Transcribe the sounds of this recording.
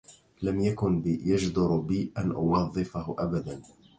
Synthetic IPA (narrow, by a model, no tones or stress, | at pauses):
lamjakʊnbɪjad͡ʒd̪ʊɾbɪʔanʔʊwɑðˤːɨfahʊʔabad̪an